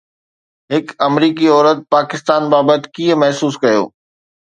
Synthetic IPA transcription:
ɦɪkɐmɾiːkiɔːɾət̪̚paːkɪst̪aːnbaːbət̪̆kiːə̃mɐɦsuːskɐjo̰ː

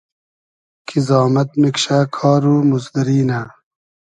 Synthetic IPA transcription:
kʰizɑːmɐt̪̚mikɕaːkʰɑːɾuːmuzd̪iɾiːna

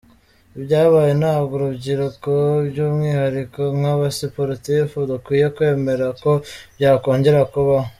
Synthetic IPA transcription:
bjaːβaːjenaːbɡuɾubɟiɾukoɾɟuːmŋiːhaɾikomŋaβasipoɾitifudukwiːje̞kwe̞ːme̞ɾako̞bjaːko̞ːɲɟe̞ɾakuβa

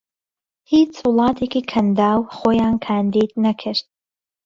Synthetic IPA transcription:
hiːt͡swʊlˠɑːt̪ʰeːkiːkʰɐnd̪aːwxoːjaːnkʰaːnd̪iːd̪nɐkʰɨɾt̪̚

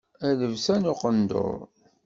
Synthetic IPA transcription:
æðəvsænʊqənd̪o̰ɾˤ

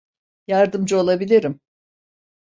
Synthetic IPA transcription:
jaɾd̪ɯmd͡ʒo̞lˠabilʲiɾim

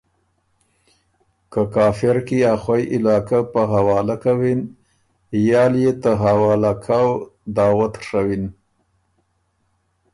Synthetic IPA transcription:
kəkɑːfɪɾkiaxwajʔɪlɑːkapəɦawɑːlakawin | jɑːljet̪əɦawɑːlakʰawd̪ɑwat̪ʂawin

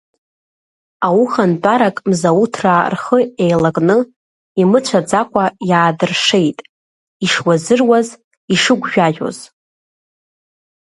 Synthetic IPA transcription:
awuχantʼaɾakʼmzautʰrarχəejlakʼnɨ | imɨt͡ʃʷʰad͡zakʷʼajaːdɨrʂe̞jtʼ | iʂwazɨrwaz | iʂɨɡʷʒᶣaʒᶣo̞̰z̥

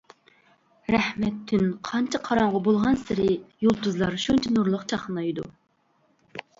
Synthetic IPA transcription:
ɾɛhmɛt̪ʰːynqʰɑnt͡ʃʰɛqʰɑɾɑɴʁɑbolˠʁɑnsɪɾɪjolˠt̪uzlˠɑɾʃunt͡ʃʰɛnuɾlˠəqt͡ʃʰɑχnɑjd̪ṵ

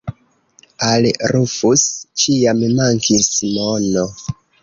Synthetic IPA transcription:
alɾufust͡ʃijammaŋkʰismono

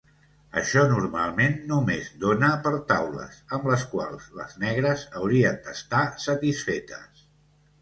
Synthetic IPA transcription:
ə̰ʃɔnuɾma̰lˠmenːumezd̪onəpəɾt̪awlə̰səmləskwa̰lˠz̥lə̰znɛɣɾəzəwɾiənd̪əst̪asət̪isfet̪ə̰s

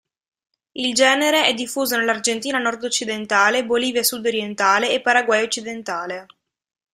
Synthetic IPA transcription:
ild͡ʒɛːneɾeɛd̪ːifːuːzonelːard͡ʒent̪iːnanɔrd̪ot͡ʃːid̪ent̪aːleboliːvjasud̪oɾjent̪aːleːpːaɾaɡwajot͡ʃːid̪ent̪aːle

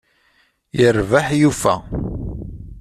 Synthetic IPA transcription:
jəɾvaħjufæ̰

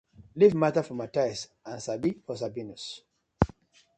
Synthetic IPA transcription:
livmatafɔmatajs | ãnsabifɔs̬abinus

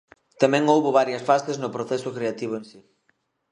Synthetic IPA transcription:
t̪amɛ̃ŋowβʊβaɾjɐsfaseznʊpɾoθɛsʊkɾeat̪iβ̞ʊẽnsi

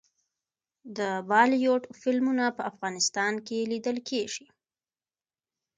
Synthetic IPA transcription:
d̪əbɑlijoʈfɪlmunapəafɣɑnɪst̪ɑnkelid̪əlkʰeʒi

